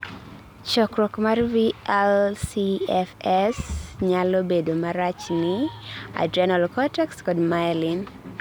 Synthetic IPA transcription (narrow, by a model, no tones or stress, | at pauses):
t͡ʃɔkɾɔkmarviɛlsiɛfɛsɲalobedomaɾat͡ʃnɪa̰dɾanalkɔtɛkskɔdmajlin